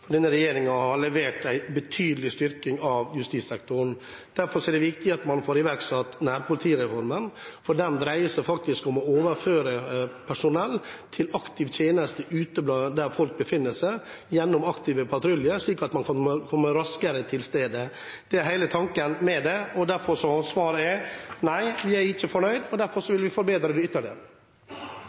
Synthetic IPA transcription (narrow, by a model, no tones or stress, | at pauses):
fɔɖ̪ɛnːəɾɛjeːɾɪŋɑhɑɭɛʋeːʈæɪbət̪ʰyːd̪əlɪst̪ʏɾkɪŋɑʋjʉst̪iːsɛk̚t̪ʊɾɳ̩ | d̪̥æɾfɔɾʂɔɛd̪ɛʋɪkt̪ɪɑt̪mɑnfoːɾɪʋæɾksɑt̪ːnæːɾpʰʊlɪt̪ʰiːɾɛfɔɾmənfɔɖɛmd̪ɾæɪəsæɪfɑk̚t̪ɪskɔmɔoːʋəɾføːɾəpʰæʂʊnɛlːt̪ʰɪlɑkt̪ɪʋt̪ʰjeːnəst̪əʔʉːt̪əblɑːd̪æɾfɔlk̚bəfɪnːəsɛ | jɛnːʊmɑkt̪ɪːʋəpʰɑt̪ɾʉljəɾʂɭiːkɑt̪mɑnkʰɑəkʰɔmːəɾɑskəɾət̪ʰɪlst̪eːd̪ə | d̪̥ɛæɾɦæɪlət̪ʰɑŋkənmɛd̪ɛɔd̪æɾfɔʂɔsʋɑːɾəɛnæɪʋɪæɾɪçːəfɔɳœʏd̪ɔd̪æɾfɔɾʂɔʋɪlʋɪfɔɾbeːd̪ɾəd̪ʉʏt̪ːəɭɪ